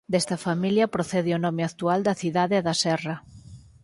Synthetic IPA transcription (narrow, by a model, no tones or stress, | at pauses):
d̪ɛst̪ɐfamiljɐpɾoθɛðɪɔnɔmeak̚t̪uald̪ɐθiðaðeɛðɐsɛrɐ